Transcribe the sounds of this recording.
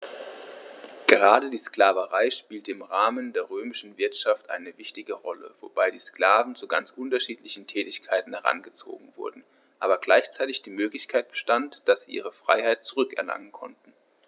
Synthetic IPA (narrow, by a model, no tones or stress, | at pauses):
ɡ̥əʁaːdədiːsklaːvəʁaɪʃpiːltəɪmʁaːməndeːɐʁøːmɪʃn̩vɪɐtʃaftʔa̰ɪnəvɪçtɪɡəʁɔlə̰v̥o̰b̥aɪdiːsklaːvn̩t͡suɡa̰nt͡sʔʊntɐʃiːtlɪçn̩tʰɛːtɪçkʰaɪtn̩hɛʁa̰nɡət͡so̰ːɡŋ̩vʊ̰ɐdn̩ | ʔaːbɐɡlaɪçt͡saɪtɪçd̥iːmøːklɪçkʰaɪt̚b̥ə̥ʃtantd̥asz̥iːʔiːʁ̞əfʁ̥a̰ɪhaɪt̚t͡suʁʏkɛ̰ɐla̰ŋənkʰɔ̰ntn̩